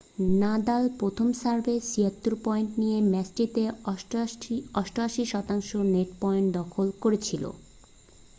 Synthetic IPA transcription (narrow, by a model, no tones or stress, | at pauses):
nad̪alpɾot̪ʰomsaɾbesiat̪ːuɾpɔjɳʈnijemɛsʈit̪e | ɔʃʈoaʃiʃɔt̪aŋʃoneʈpɔjeɳʈd̪ɔkʰolkoɾet͡ɕʰilo̰